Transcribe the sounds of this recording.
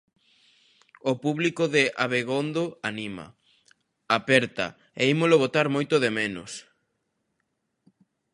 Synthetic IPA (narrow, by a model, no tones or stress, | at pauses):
opuβlikoðɪʔaβeɣond̪oanimɐ̰ | apɛɾt̪ɐ̰ | eimoloβot̪aɾmojt̪ʊðemenʊ̰s